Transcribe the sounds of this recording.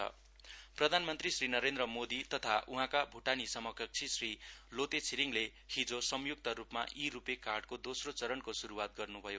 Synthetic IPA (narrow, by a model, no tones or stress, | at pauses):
ʌ̰ | prʌd̪ʱanmʌnt̪risrinʌɾend̪rʌmod̪it̪ʌt̪ʰaʔuɦãkabʱuʈanisʌmʌkʌk̚t͡sʰisrilot̪et͡sʰiɾiŋle | hĩd͡zosʌmjuk̚t̪ʌɾupma̰ʔiɾupekarɖkod̪osrot͡sʌɾʌnkosuɾuwat̪̚ɡʌrnubʱʌjo